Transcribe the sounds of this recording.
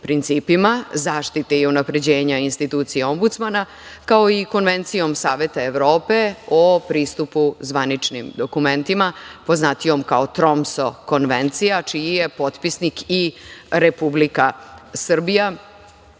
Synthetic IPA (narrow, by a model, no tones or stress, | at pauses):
pɾint̪siːpimazaːʂt̪it̪eiunapɾe̞d͡ʑe̞ːɲainst̪it̪uːt̪sijeo̞mbut̪smana | kaoiko̞nʋe̞nt̪sijo̞msaːʋe̞t̪aeʋɾo̞ːpe̞opɾiːst̪upuzʋanit͡ʂnimd̪o̞kume̞nt̪imapo̞znat̪io̞mkaot̪ɾo̞mso̞ko̞nʋent̪sijat͡ʃijije̞po̞t̪pisnikiɾe̞publikasr̩bija